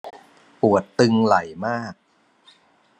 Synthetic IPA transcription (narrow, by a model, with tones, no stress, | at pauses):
pu˨˩ət̪ːɯ˧ŋla˨˩˦jmaː˥˩k̚